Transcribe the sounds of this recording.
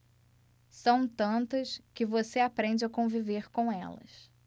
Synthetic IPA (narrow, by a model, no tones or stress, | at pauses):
sɐ̃w̃t̪ɐ̃nt̪ɐskɪvoseapɾẽnd͡ʒɪɐkõviveɾkõw̃ɛ̰lɐ̰s